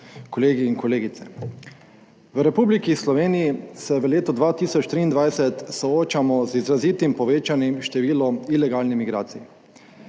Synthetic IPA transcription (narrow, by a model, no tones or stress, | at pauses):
kɔleːɡiːnkɔleːɡit̪sɛ | ʋəɾɛpublikislɔʋeːniisɛʋəleːt̪ɔd̪ʋaːt̪iːsɔt͡ʃt̪ɾiːnd̪ʋajsɛt̪sɔoːt͡ʃamɔzizɾaziːt̪impɔʋeːt͡ʃanimʃt̪ɛʋiːlɔilɛɡaːlnɛmiɡɾaːt̪sijɛ